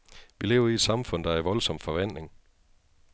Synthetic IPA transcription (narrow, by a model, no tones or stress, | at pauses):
ʋile̝ːʊɐied̥sɑ̈mfɔ̽n̰d̥ɑ̈æɐʋɒ̽lsɒ̽m̰̥fɒ̽ʋæn̰le̝ŋ